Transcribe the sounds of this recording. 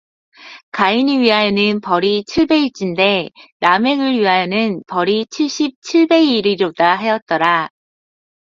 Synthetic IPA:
kainiɥiɦajenɯnpʌɾit͡ɕʰiɭbe̞it͡ɕ͈inde̞name̞ɡɯɾɥiɦajenɯnpʌɾit͡ɕʰiɭɕ͈ip̚t͡ɕʰiɭbe̞iɾiɾodaɦe̞jʌt̚t͈ʌɾa

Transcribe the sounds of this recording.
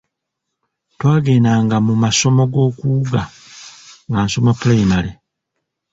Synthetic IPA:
twaːɡe̞ːnaːŋɡamumaso̞mo̞ɡo̞ːkuːɡa | ŋɡaːnso̞mapulejimale

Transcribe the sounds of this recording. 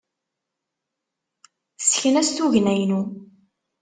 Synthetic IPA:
sçənæsθuʝnæjnu

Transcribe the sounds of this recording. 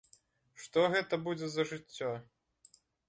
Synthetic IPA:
ʂt̪ɔɣɛt̪ɐbud͡zʲɛzɐʐɨt͡sʲːɔ

